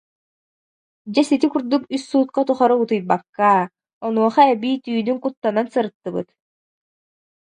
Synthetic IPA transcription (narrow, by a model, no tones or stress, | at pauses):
d͡ʑɛsit̪ikuɾd̪ukysːuːt̪̚kat̪uχɔɾɔut̪ɯjbakːa | ɔnuɔχaɛbiːt̪yːnyŋkut̪ːanansɯɾɯt̪ːɯbɯt̪